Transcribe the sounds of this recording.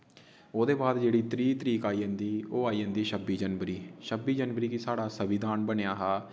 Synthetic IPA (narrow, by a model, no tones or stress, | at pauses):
oːd̪eːbaːd̪d͡ʒeːɽiːt̪əɾiːt̪əɾiːkaːiːɦənd̪iːoːaːiːɦə̃nd̪iːʃəbiːd͡ʒənʋəɾiːʃəbiːd͡ʒənʋəɾiːkisaːɽaːsəʋɪd̪aːnbənejaːɦaː